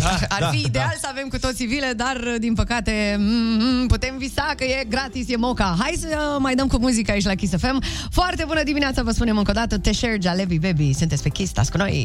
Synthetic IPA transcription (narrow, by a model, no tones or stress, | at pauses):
arfid̪ealsave̞mkut̪o̞t̪sivile̞d̪ard̪inpəkat̪e̞ | put̪e̞mvisakəje̞ɡɾat̪isje̞mo̞kaɦajsəmajd̪əmkumuzikəait͡ʃʲlakʲis̬efe̞m | foart̪e̞bunəd̪imineat̪savəspune̞mɨŋkod̪at̪ət̪eʃeɾd͡ʒalevibebisunt̪esʲpe̞kʲist̪a̰skuno̞̰j